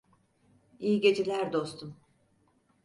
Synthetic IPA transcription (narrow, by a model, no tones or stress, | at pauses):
ijiɟe̞d͡ʒelʲæɾd̪o̞st̪ʰum